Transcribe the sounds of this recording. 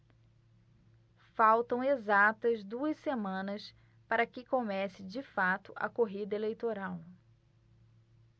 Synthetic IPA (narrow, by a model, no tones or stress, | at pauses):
fawt̪ɐ̃w̃ezat̪ɐzd̪uɐssemɐ̃nɐs | paɾɐkɪkomɛsɪd͡ʒɪfat̪ʊɐ̰koɦid̪ɐelejt̪oɾaw